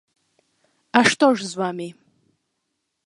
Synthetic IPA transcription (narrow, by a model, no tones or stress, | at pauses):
aʂtʰoʒzwami